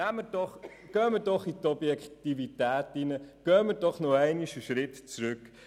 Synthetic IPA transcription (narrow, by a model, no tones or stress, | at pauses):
æmːəɾd̥ɔχ | ɡ̥œːməɾdɔχit̪ɔbjɛkχtivitæːtinəɡ̥œːməɾdɔχnɔæɪniʃəʃɾɪtt͡sɾʉk